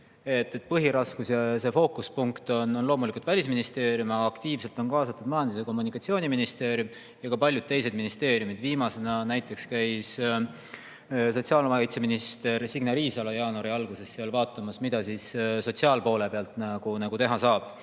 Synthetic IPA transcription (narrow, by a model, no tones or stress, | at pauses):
e̞t̪ˑːe̞t̪ːˑpɤɦiɾɑskusjɑse̞fo̞ːkuspuŋkt̪o̞nonlo̞ːmulikˑult̪vælʲisminist̪e̞ːɾjumːkt̪iːvse̞lt̪ˑo̞nkɑːsɑt̪ːˑud̥̪̚mɑjɑnd̪̥ise̞ko̞mːunikːˑɑt̪sio̞ːniminist̪e̞ːɾjum | jɑkɑpɑlʲjud̪̥̚t̪ːe̞js̬e̞d̪̚minist̪e̞ːɾjumid̪viːmɑse̞nɑnæjt̪ːˑe̞kskæjs | so̞t̪siɑːlomɑkɑjt̪se̞minist̪e̞ɾsiɡnɑɾiːsɑlɑjɑːnoɾiɑlɡ̥use̞sːeɑlvɑːt̪ːˑɑmɑsmid̪̥ɑsiːsso̞t̪siɑːlpo̞ːle̞peɑlt̪ˑnɑɡ̥unɑɡ̥ut̪e̞ɦɑsɑːb̥